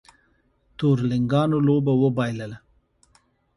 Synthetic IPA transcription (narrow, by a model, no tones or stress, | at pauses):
t̪oɾlɪŋɡɑnolobawəbɑjləla